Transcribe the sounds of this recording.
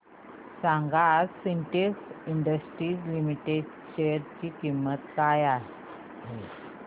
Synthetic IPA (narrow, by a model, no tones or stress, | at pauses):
sãŋɡassiɳʈesiɳɖəsʈɾiːd͡ʑlimiʈeɖ | ɕeɾt͡ɕiːkimːət̪kaja | ɦe